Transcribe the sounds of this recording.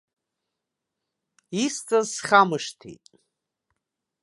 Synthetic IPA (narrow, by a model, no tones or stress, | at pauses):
ist͡sʼazsχamɨʂtʰḭtʼ